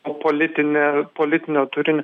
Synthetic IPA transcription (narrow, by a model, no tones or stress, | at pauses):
poːlʲɪt̪ʲɪnʲɛpoːlʲɪt̪ʲɪnʲoːt̪ʊɾʲɪnʲo